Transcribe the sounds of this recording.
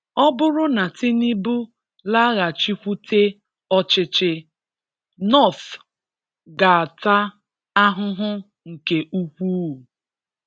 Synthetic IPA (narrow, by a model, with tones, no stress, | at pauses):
ɔ˦bʊ˦ɾʊ˦na˨tɪ˦ni˦bu˦ | la˦ɣa˨t͡ʃi˦kʷu˦tʰe˦ | ɔ˦t͡ʃɪ˦t͡ʃɪ˦ | nɔ˦˨θ | ɡa˨a˨ta˦ | a˦ɦʊ˦ɦʊ˦ | ŋ̩˨ke˨ʔu˦kʷu˦u˨